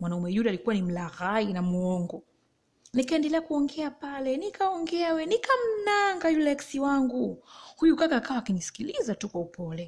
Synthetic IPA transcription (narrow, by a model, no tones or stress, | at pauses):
mwanaumɛjuɗialikuwanim̩laɣainamuɔŋɡɔ | nikaɛndɛlɛakuɔŋɡɛapalɛnikaɔŋɡɛawɛnikam̩naŋɡajulɛksiwaŋɡuhujukakaːkawaːkinisi̥kilizatukwaupɔlɛ